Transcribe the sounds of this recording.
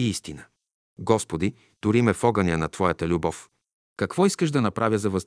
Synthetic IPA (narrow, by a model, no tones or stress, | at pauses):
iist̪inə | ɡɔspod̪i | t̪ʊɾimɛfɔɡɐniənɐt̪vɔjət̪əlʲubɔf | kɐkv̥ɔiskəʃd̪ɐnɐpɾʔavʲjəzɐvɐz